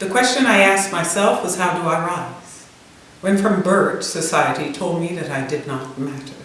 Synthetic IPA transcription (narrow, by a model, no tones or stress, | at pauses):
ðɨkʰw̥ɛst͡ʃɨ̃naɪæsk̚maɪsɛlˠfwʌz̥haʊdəaɪɹaɪz̥ | wɨ̃nfɹʌ̃mbɜ˞dsɨsaɪɨɾitʰoʊlˠd̚miðɨɾaɪdɨdⁿnət̚mæɾə˞